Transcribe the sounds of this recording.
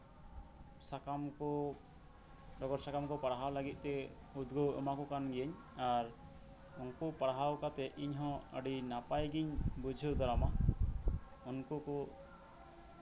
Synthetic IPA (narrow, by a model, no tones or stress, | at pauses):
sakamkɔ | ɖɔɡɔɾsakamkɔpaɽaɦawləɡit̪̚ˀt̪ɛ | ud̪ɡɔwə̰makɔkanɡɛəɲ | aɾ | unkɔpaɽaɦawkat̪ɛʔiɲɦɔ̃əɖinapajɡiɲbud͡ʒʱəwd̪ɔɾama | unkɔkɔ